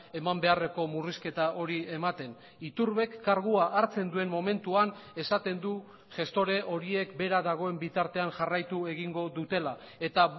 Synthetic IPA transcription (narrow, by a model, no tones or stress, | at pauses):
e̞mambe̞are̞ko̞muriske̞t̪aʔo̞ɾie̞mat̪e̞n | it̪uɾβe̞kːaɾɣ̞uaʔaɾt͡se̞nd̪ue̞mːo̞me̞nt̪uane̞sat̪e̞nd̪u | ʝe̞st̪o̞ɾe̞ʔo̞ɾie̞kbe̞ɾaðaɣ̞o̞e̞mbit̪aɾt̪e̞anʝarajt̪ue̞ɣiŋɡo̞ðut̪e̞la | e̞t̪a